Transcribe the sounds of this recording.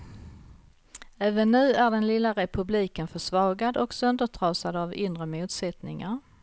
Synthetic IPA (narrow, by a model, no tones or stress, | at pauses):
æːvənːʉ̟ːæɖɛnlɪlːaɾɛpʰɵbliːkənfœʂvɑːɡad̪ɔksœnd̪əʈʰɾɑːsad̪avɪnd̪ɾəmuːt̪sɛt̪nɪŋaɾ